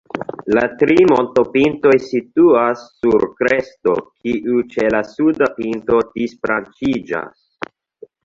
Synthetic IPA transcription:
latɾimo̞nto̞pinto̞jsituasːuɾkɾe̞sto̞̰kʰiʔut͡ʃe̞lasudapinto̞d̥isfɾant͡ʃid͡ʒa̰s

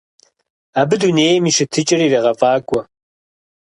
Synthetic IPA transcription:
aːbɨduneːjɛmiʂɨtʰɨt͡ʃʼɪriːreːʁɐfʼaːkʷʼɔ

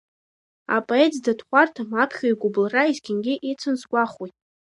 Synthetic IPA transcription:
a̰pʼoetʰʼzdatʰχʷartʰamapʰχʲoiɡʷʊblraizɡʲɪnɡʲɪʔet͡sʰɨnzɡʷaχijtʼ

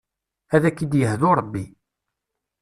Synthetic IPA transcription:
æðækːid̪jəɦðʊɾˤəbːi

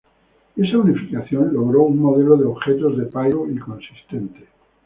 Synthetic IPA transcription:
e̞saunifikaθjõ̞nlo̞ɣɾouŋmoðeloðeoβxet̪ozðepaɣoiŋkõ̞nsi̥st̪ent̪e̥

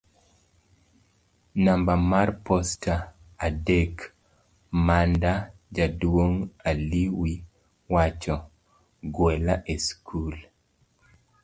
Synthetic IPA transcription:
nambamarpɔstʰaː | dek | mandad͡ʒadwoŋaliwi | wat͡ʃɔ | ɡwɛlaʔeskʰul

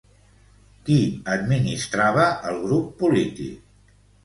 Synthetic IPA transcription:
kiəd̪̚minist̪ɾaβəʔəlˠɣɾupːulit̪ḭk̚

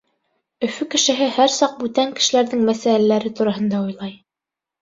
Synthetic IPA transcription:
ɵ̆fʉkɘ̆ʃɘ̆ɦɘhæɾsɑq̚bʉt̪æŋkɘ̥̆ʃɘ̆læɾðɘŋmæsælælæɾɘt̪uɾɑhɤ̆nd̪ɑujlˠɑj

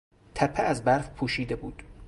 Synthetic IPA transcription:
t̪ʰæpʰeæzbæɾfpʰuːʃiːd̪ebuːd̪̥

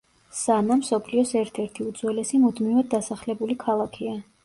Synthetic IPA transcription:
sanamsɔpʰliɔsɛɾt̪ʰɛɾt̪ʰiud̪z̥wɛlɛsimud̪mivad̪̚ːasaχlɛbulikʰalˠakʰia

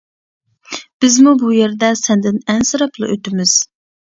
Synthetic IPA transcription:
b̥ɪzmubujeɾd̪ɛsɛnd̪ɪnɛnsɨɾɑplˠɨ̰ʔøt̪ɪmɪz̥

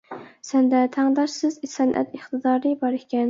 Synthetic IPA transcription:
sɛnd̪ɛt̪ʰæŋd̪ɑʃsɪzisɛnʔɛ̰t̪əχt̪ɨd̪ɑːɾɨbɑɾekʲɛn

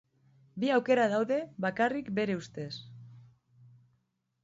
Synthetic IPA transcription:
biawke̞ɾaðawðe̞βakarikbe̞ɾe̞ust̪e̞s

